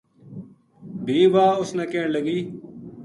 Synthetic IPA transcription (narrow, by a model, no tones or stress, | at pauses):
bʱiːʋaːʊsnɛ̃ːkeːɳləɡiː